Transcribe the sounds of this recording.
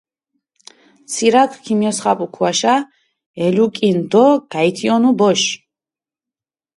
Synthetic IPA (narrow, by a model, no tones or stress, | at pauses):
t̪t͡ssʰiɾakʰkʰimjɔsχapʼukʰwaʃa | ɛlukʼind̪ɔɡ̥ajt̪ʰiɔnubɔʃ